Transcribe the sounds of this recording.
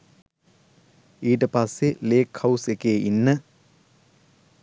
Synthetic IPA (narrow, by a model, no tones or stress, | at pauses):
iːʈəpasːeleːkhɐwsekeːʔinːə